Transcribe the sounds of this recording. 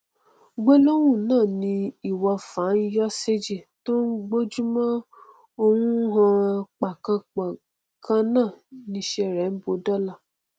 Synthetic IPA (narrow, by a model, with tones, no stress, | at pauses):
ɡ͡bo˦lo˦w̃ũ˦˨nãː˦˨nĩ˧i˨wɔ˧fã˨˦n̩˦jɔ˦se˦d͡ʒi˦˨to˦ŋ̩˦ɡ͡bo˦d͡ʒu˦mã˦ | o˧wũ˦ɦã˧k͡pa˨kã˧k͡pa˨ | kã˦nãː˦˨nĩ˧˦ʃɛ˧ɾɛ˨˦n̩˦bo˧dɔ˦la˦˨